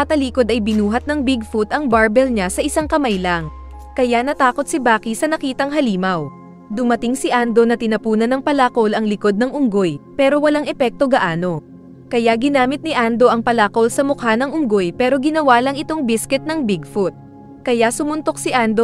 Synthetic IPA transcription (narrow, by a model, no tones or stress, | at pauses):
ɐt̪ɐliːko̞d̪ɐjbɪnuːɦɐt̪̚nɐŋbɪɡ̚fut̪ɐŋbaɹbɛlɲasɐʔɪsaŋkɐmajlɐŋ | kɐjanɐt̪aːko̞t̪̚sɪbaːkisɐnɐkiːt̪ɐŋɦɐliːmɐw | d̪ʊmɐt̪ɪŋsɪʔand̪o̞nɐt̪ɪnɐpuːnɐnɐŋpɐlaːko̞lɐŋlɪko̞d̪̚nɐŋʔʊŋɡojpɛːɾo̞wɐlaŋʔɛpɛk̚t̪o̞ɡɐʔaːno̞ | kɐjaɡɪnaːmɪt̪̚nɪʔand̪o̞ʔɐŋpɐlako̞lsɐmʊkhanɐŋʊŋɡo̞jpɛːɾo̞ɡɪnɐwaːlɐŋɪt̪o̞ŋbɪskɛt̪̚nɐŋbɪɡfʊt̪̚ | kɐjasʊmʊnt̪o̞k̚sɪʔand̪o̞